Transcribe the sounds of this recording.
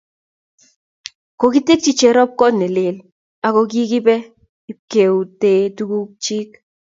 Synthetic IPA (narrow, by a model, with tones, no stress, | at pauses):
ko˨ki˦te˦k̚t͡ʃi˦t͡ʃɛ˨ɾɔ˦p̚kɔ˦tnɛ˨le˨l | a˨ko˧k̬i˦ki˦pɛ˦ | i˦p̚ke˨u˨te˨tu˦ku˦k̚t͡ʃi˦k